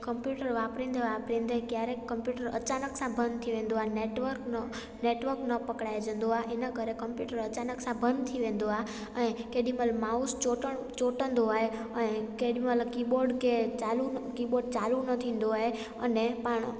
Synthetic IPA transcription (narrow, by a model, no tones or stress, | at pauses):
kəmpjuʈəɾʋaːpɾĩnd̪ʱeʋaːpɾĩnd̪ʱekjaːɾekkːəmpjuːʈəɾə̰t͡ɕanəksãbʱənd̪t̪ʰiʋẽːnd̪oɦaeneʈʋəɾkn | neʈʋəɾknəpəkɽaːed͡ʒə̃ːnd̪oɦaʔɪnəkəɾekəmpjuːʈəɾət͡ɕaːnəksãbʱənd̪t̪ʰiʋẽːn̆d̪oa | ə̃ːkeɗĩməlmaːust͡ʃoʈə | t͡ʃoʈə̃nd̪oaːɦe | əẽkeɗĩmələkiːɓoːɾɖket͡ɕalukiːɓoɾɖ̚t͡ʃaːlunət̪ʰĩːn̆d̪oaːɦe | ənepaːɳ̃